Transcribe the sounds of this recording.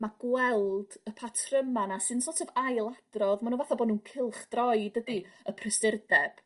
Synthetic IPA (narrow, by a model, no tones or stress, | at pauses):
maɡ̥wɛlˠd̥əpʰatʰrəmanasɨnsoːtʰɛvajlˠad̥rɔðmanuːnvaθɔbɔːdnuːnkʰɪlˠχd̥rɔjdədiəpʰrɪsɪrdɛb̥